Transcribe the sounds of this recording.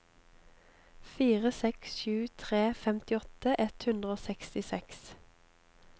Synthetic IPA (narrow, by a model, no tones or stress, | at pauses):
fiːʁəsɛksʃʉːt̪ʰʁeːfɛmt̪ɪɔt̪əʔɛt̪hʉnd̪ʁəoːsɛkst̪ɪsɛks